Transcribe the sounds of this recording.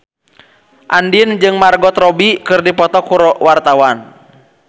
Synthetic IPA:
ʔandind͡ʒɨŋmarɡɔt̪rɔbikɨrdipɔt̪ɔkuɾɔwart̪awan

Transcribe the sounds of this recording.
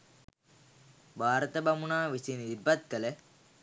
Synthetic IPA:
bʱaːɾɐt̪ɐbɐmunaːʋisinɾbɐt̪̚kɐle

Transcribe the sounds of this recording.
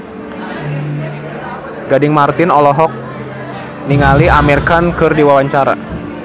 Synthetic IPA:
ɡadɪŋmart̪ɪnɔlɔɦɔk̚ | niŋaliʔamɛrkankɨrdiwawaɲt͡ʃaɾa̰

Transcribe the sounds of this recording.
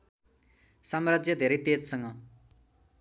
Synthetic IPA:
sʌmrʌd͡zjʌd̪ʱeɾejt̪ed͡zsʌŋɡʌ

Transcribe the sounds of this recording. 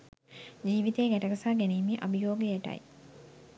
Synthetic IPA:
d͡ʒiːʋit̪eːɡæʈəɡɐsaːɡeniːmiʔɐbijoːɡijeʈɐ̰j

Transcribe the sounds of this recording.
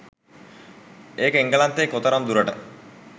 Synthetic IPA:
eːkəiŋɡəlant̪eːkot̪ɐɾamd̪uɾəʈə

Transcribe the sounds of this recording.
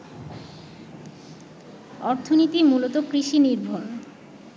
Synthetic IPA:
ɔɾt̪ʰonit̪imulot̪okɾiʃiniɾbʱon

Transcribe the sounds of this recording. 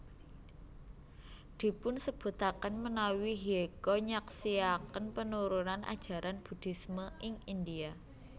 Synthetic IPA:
d̪̥i̤pʊnsəb̥ṳt̪akənmənawiɦiekɔɲaksiakənpənuɾunanʔa̰d̥ʒ̥a̤ɾʔanb̥ṳd̪̥i̤sməʔɪŋind̪ia

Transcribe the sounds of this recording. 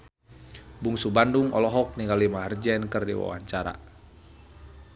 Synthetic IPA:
buŋsubanduŋɔlɔɦɔk̚niŋɡalimaɦərd͡ʒɛnkɨrdḭwa̰wa̰ɲt͡ʃaɾa̰

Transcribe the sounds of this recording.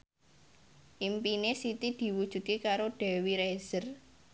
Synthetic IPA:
ʔimpinesit̪id̪̥i̤wud̥ʒ̥ṳd̪̚kekaɾoɖ̥ɛ̤wiɾez̥ər

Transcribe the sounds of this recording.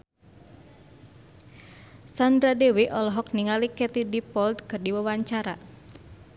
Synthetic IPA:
sand̪ɾadewiʔɔlɔɦɔk̚niŋalikɛt̪idipɔld̪kɨrdiwawaɲt͡ʃaɾa

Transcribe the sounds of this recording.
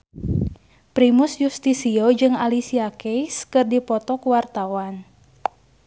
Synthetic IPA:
pɾimʊsjust̪isiod͡ʒɨŋalisiakɛjskɨrdipɔt̪ɔkuwart̪awan

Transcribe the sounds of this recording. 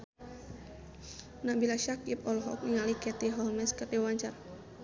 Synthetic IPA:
nabilaʃakip̚ɔlɦɔ̰k̚iŋalikɛt̪iɦɔlmɛskəd̪iwaɲt͡ʃar

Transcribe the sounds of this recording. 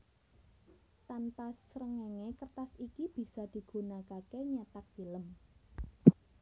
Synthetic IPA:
t̪anpasɾəŋeŋekərt̪asikib̥i̤sad̪̥i̤ɡ̥ṳnakakeɲat̪ak̚filəm

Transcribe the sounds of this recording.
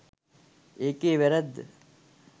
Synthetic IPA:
eːkeːʋæɾæd̪ːə̰

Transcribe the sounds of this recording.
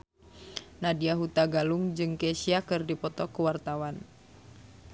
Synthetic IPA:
nadiaɦut̪aɡaluŋd͡ʒɨŋkɛsiakɨrdipɔt̪ɔkuwart̪awan

